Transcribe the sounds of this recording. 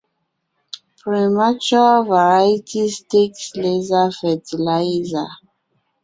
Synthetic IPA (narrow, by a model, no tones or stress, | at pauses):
pɹimat͡ʃualvaɹajitistekslezafɛtilaza̰